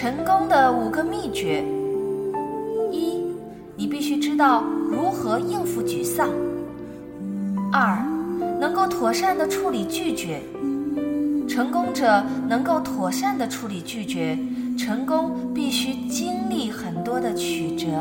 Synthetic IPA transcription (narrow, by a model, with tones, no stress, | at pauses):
ʈ͡ʂʰɤ˧˥ŋkʊ˥ŋd̪ə˨u˨˩ɡə˧mi˥˩t͡ɕɥɛ˧˥ | i˥˩ | ni˨˩pi˥˩ɕy˥ʈ͡ʂɻ̩˥t̪ɑ˥˩ʊɻu˧˥xɤ˧˥i˥˧fu˧˥t͡ɕy˨˩sɑ˥˩ŋ | ə˞˥˧˩nɤ˧˥ŋko˥˩ʊt̪ʰwɔ˨˩ʂa˥˩nd̪ə˩ʈ͡ʂʰu˧˥li˨˩t͡ɕy˥˩t͡ɕɥɛ˧˥ | ʈ͡ʂʰɤ˧˥ŋkʊ˥ŋʈ͡ʂɤ˨˩nɤ˧˥ŋko˥˩ʊt̪ʰwɔ˨˩ʂa˥˩nd̪ə˩ʈ͡ʂʰu˧˥li˨˩t͡ɕy˥˩t͡ɕɥɛ˧˥ʈ͡ʂʰɤ˧˥ŋkʊ˥ŋpi˥˩ɕy˥t͡ɕi˥nli˥˩xə˨˩nt̪wɔ˥d̪ə˨t͡ɕʰy˨˩ʈ͡ʂɤ˧˥